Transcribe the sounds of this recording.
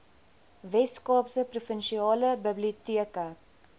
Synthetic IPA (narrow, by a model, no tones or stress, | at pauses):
vɛtskɑːpsəprufənʃiɑːləbəbliutiəkə